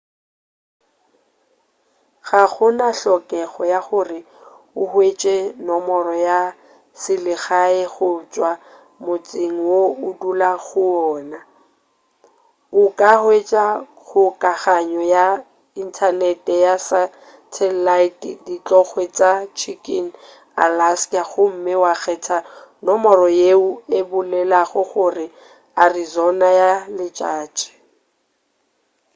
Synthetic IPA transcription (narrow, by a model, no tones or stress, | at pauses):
ɣaɣʊnaɬɔkʼɛɣɔjaχʊrɪ | ʊhwet͡ʃʼɛnɔmɔrɔja | sɪlɪɣaɛɣʊt͡ʃʼwa | mʊt͡sʼɪŋ̩woʊdulaɣʊɔːna | ʊkʼahwet͡ʃʼa | ɣʊkʼaɣaɲɔja | in̩tʰanɛtʼɛjasa | tʰɛlaitʼdit͡ɬʼɔɣwɛt͡ʃʼat͡ʃʰikʼin̩ | a̰lasaɣʊm̩mɪwaɣʰɛtʰanɔmɔɾɔjeuebʊlɛlaɣʊɣʊrɪ | arizɔnajalɪt͡ʃʼaːt͡ʃʼɛ̥